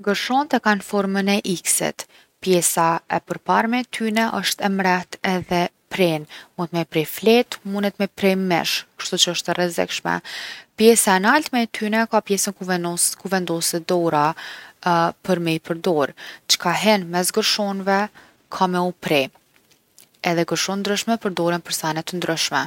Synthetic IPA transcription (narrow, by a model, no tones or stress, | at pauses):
ɡəɾʃɔnt̪ɛkanfɔɾmənɛʔiksɛ̰t̪ | pjɛsaɛpəɾpaɾmɛt̪ʰynɛʔəʃt̪ɛmɾɛht̪ɛðɛ | pɾɛnmunt̪mɛpɾɛflɛt̪munət̪mɛpɾɛmɛ̰ʃkə̥ʃt̪ut͡ʃəəʃt̪ɛrɛzɛ̰kʃmɛ̰pjɛsaɛnalt̪mɛt̪ʰynɛkapjɛsənkuvɛnd̪ɔsɛd̪ɔɾa | pəɾmipəɾd̪ɔɾt͡ʃə̥kʰaɦɛnmɛsɡəɾʃɔnvɛ | kʰamɛupɾɛ | ɛðɛɡəɾʃɔnd̪ɾəʃmɛpəɾd̪ɔɾənpəɾsanɛt̪ːənd̪ɾəʃmɛ